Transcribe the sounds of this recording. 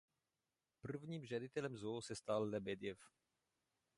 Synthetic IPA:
pr̩vɲiːmʒadɪt̪ɛlɛmzosɛst̪alːɛbɛd̪ɪjɛf

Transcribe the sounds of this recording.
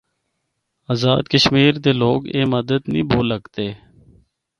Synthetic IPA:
aːzaːd̪kəʃmiːɾd̪eːloːɡeːməd̪əd̪nĩːbʱoːləɡt̪eː

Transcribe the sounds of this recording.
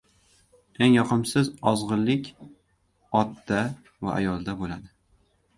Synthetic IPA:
e̞ŋjɒqʰɨmsɪzɒzʁɨlːɪkʲ | ɒt̪d̪a | va̰ʔa̰jɒlˠd̪abolad̪ɪ

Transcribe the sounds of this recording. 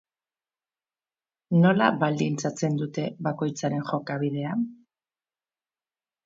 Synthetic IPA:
no̞la̰βald̪int͡sat͡se̞nd̪ut̪e̞βako̞jt͡saɾe̞nxo̞kaβiðe̞a

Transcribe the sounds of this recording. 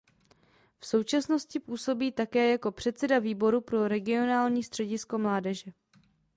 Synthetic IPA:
fso̞wt͡ʃasno̞scɪpuːso̞biːt̪akɛːjako̞pr̝̥ɛt̪sɛdaviːbo̞ɾupɾo̞ɾɛɡɪo̞naːlɲiːst̪r̥ɛɟɪsko̞mlaːdɛʒɛ

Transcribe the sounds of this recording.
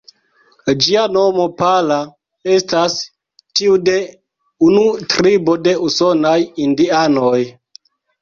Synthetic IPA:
d͡ʒiano̞mo̞pala | e̞stas | tiude̞ | unutɾibo̞de̞uso̞najindianoj

